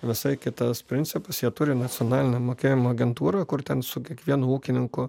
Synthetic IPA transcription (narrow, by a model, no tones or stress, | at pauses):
ʋʲɪsɐɪkʲɪt̪ɐspʲɾʲɪnʲtsʲɪpɐsjiɛt̪ʊɾʲɪnɐtt͡s̪ʲɪonɑːlʲɪnʲɛmoːkʲeːjɪmoːɐɡʲɛnt̪uːɾɐkʊrt̪ʲɛnsʊkʲiɛkʋʲiɛnʊːuːkʲɪnʲɪŋkʊ